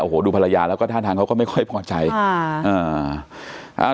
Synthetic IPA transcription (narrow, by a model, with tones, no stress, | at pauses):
ʔoː˧hoː˨˩˦duː˧pʰa˧la˧jaː˧lɛ˦˥kɔː˥˩t̪a˥˩aː˧ŋkʰa˦˥kɔ˥˩ma˥˩jkʰɔ˥˩jpʰɔː˧˩t͡ɕa˧jʔɤː˧ | ʔa̰ː˧˩